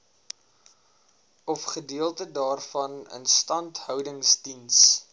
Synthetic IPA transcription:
ɔfχədiəlˠtədɑːrfɐnə̰nstɐntɦœwdəŋsdins

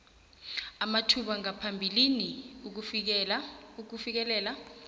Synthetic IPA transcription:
amatʰuɓaŋapʰambʱiliniuk̬uf̬ɛluk̬ufik̬ɛlɛːla

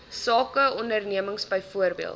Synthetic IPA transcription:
sɑːkəɔndərniəməŋsbəjfuərbḭəlˠ

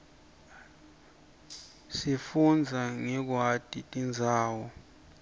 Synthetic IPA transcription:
sifund͡zʱaŋɛk̬watʼitʼind͡zʱaːwɔ

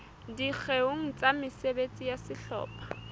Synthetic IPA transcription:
dik͡xʰeʊŋ̩t͡sʼamɪsebet͡sʼijasɪɬɔ̰ːpḁ

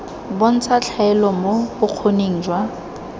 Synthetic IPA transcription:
bon̩t͡sʰat͡ɬʰaɛlɔmoʊq͡χʰoneŋ̩ːd͡ʒwa

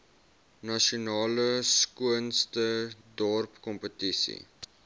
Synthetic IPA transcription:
nɐʃiunɑːləskuənstədɔrpkɔmpətisḭ

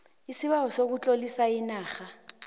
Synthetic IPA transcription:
isiɓawɔsok̬ut͡ɬʼolisainaːxa

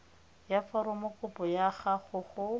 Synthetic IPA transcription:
jafɔɾʊmʊkʼʊpɔjaχaχʊχʊ

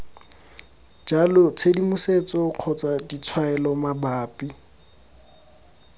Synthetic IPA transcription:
d͡ʒalɔt͡sʰedimuset͡sɔq͡χʰɔt͡sadit͡sʰwaɛlɔmabaːpʼi

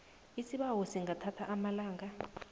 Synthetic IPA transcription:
isiɓawɔsiŋɡatʰatʰaʔamalaːŋa

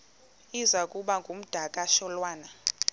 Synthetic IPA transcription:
izakʼuɓaŋɡʱum̩d̥ʱakʼaʃɔlwaːna

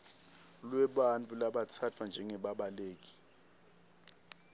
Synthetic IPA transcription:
lwɛɓant͡fʰʼulaɓat͡sʰat͡fʰwand͡ʒʱɛŋɛɓaɓaleːk̬i̥

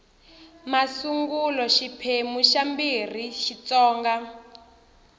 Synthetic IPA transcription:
masuŋɡulɔʃipʰemuʃambir̤iʃit͡sɔːŋɡa

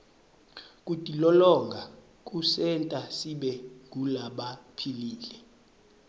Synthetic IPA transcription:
kʼutʼilɔlɔŋɡʱa | k̬ʼusɛntʼasiɓɛŋɡʱulaɓapʰiliːlɛ

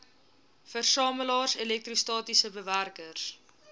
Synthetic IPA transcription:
fərsɑːməlɑːrselɛk̚tristɑːtisəbəværkərs

